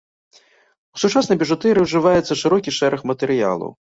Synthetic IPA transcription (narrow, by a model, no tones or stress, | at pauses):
usut͡ʂasnɐjbʲɛʐut̪ɛɾɨwʐɨvajɛt̪sːɐʂɨɾɔkʲiʂɛɾɐxmɐt̪ɛɾɨja̰lˠɐ̰w